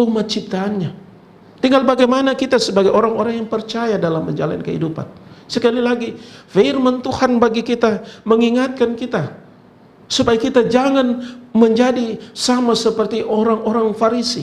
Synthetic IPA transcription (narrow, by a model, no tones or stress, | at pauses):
umat̪̚t͡ʃip̚t̪aːnɲa | t̪iŋɡalbaɡajmanakit̪asəbaɡajoɾaŋoɾaŋjaŋpərt͡ʃajadalamːəɲd͡ʒala̰a̰nkəhḭdupa̰nsəkalilaɡifermənt̪uhanbaɡikit̪aməŋiŋat̪̚kankit̪a | supajakit̪ad͡ʒaŋanməɲd͡ʒadisamasəpərt̪iʔoɾaŋoɾaŋfaɾisḭ